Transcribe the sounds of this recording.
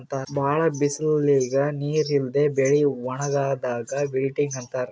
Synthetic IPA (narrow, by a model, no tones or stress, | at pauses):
nt̪aːbʱaːɭɐbislliːɡɐniːɾild̪ebeɭiʋɐɳɐɡaːd̪aːɡɐʋiɭʈiŋɡɐnt̪aːɾ